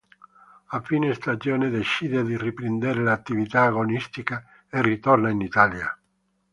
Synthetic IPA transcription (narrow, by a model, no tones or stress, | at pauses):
afinest̪ad͡ʒoːneðet͡ʃiːd̪edðiripɾend̪eɾelat̪ːivit̪aːɣonist̪ika | erit̪ornainit̪alja̰